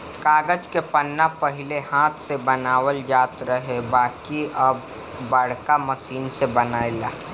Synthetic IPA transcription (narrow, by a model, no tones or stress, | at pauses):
kaːɡəd͡ʒkepənːapəɦɪlehãːt̪ʰsebənaːwəld͡ʒaːt̪ɾəɦebaːkiʔəbː | əɽ̤kaməsiːnsebənaːelaː